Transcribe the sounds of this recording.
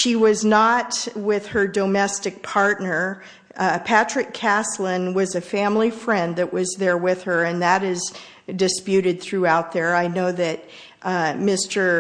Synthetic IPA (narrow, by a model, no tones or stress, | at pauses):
ʃiwʌznət̚wɪð̥ə˞domɛstɨk̚pʰɑɹtⁿnə˞ | pʰæt͡ʃɹ̥ɨkʰæslɪ̃nwʌzɨfæ̃mlifɹɛ̃nðɨʔwʌzðə˞wɪð̥ə˞ɨ̃nðɨɾɪz | dɨspjʉɾɨd̪̚θɹʉaʊt̪̚ðə˞aɪnoʊðɨt̚ | mɪstə˞